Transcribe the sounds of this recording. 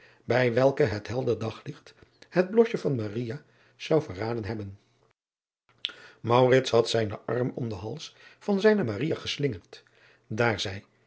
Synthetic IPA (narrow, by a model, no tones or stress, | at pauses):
bɛjʋɛlˠkəɦətɦɛlˠdədɑχlɪχthəd̚blɔʃəvɑnmarija | z̥ɑwvəraːdənɦɛbən | mɑwrɪtsɦɑtsɛjnə̰ʔɑɹmɔmdəɦɑlˠsfɑnzɛjnəmarijaχəslɪŋərt | daːɹzɛj